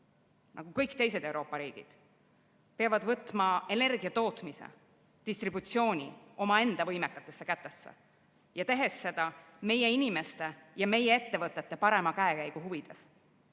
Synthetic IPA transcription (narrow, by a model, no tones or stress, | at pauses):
nʔɑ̰ɡ̥ukɤjkt̪e̞js̬e̞d̪̥e̞wɾo̞ːpːˑɑɾiːɡ̥ḭd̪̥ | peɑvɑd̪̥vɤt̪ːˑmɑe̞ne̞rɡ̥iɑt̪o̞ːt̪ˑmisḛ | d̪̥ist̪ɾibut̪sio̞ːnʲḭo̞mɑe̞nd̪̥ɑvɤjmekːˑɑt̪ːˑe̞sːekæt̪ːe̞sːḛ | jɑt̪e̞ɦe̞sːe̞d̪̥ɑ | me̞jeinime̞st̪e̞jɑme̞jee̞t̪ːe̞vɤt̪ːˑe̞t̪ːe̞pɑɾe̞mɑkæekæjɡ̥uɦuvid̪̥e̞s